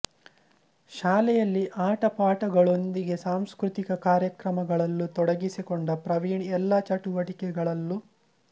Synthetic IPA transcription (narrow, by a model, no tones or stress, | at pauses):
ʃaːlɛjɐlːiʔaːʈɐpaːʈɐɡɐɭo̞nd̪iɡe̞saːmskɾut̪ikɐkaːɾjɐkɾɐmɐɡɐɭɐlːut̪ɔɽɐɡisikoɳɖɐpɾɐʋiːɳiɛlːɐt͡ʃɐʈuʋɐʈikɛɡɐɭɐlːu